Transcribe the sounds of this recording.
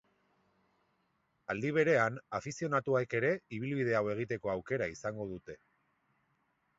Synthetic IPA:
ald̪iβ̞e̞ɾe̞anafisio̞nat̪uaeke̞ɾe̞iβ̞ilβið̞e̞awe̞ɣ̞it̪e̞ko̞awke̞ɾaisaŋɡo̞ð̞ut̪e̞

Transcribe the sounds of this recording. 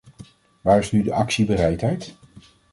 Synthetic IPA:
ʋaːɹɪsnydəʔɑksibəɾɛjtɦɛjt

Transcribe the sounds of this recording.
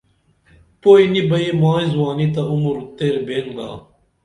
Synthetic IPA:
poːinibɐemaːĩzwaːnit̪̬ɐumuɾut̪eːɾbeːnɡa̰ː

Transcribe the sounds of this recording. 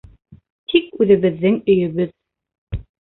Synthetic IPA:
t̪ʰikʉðɘ̆βɘ̆ðːɘŋɵ̆jɵ̆βɵð

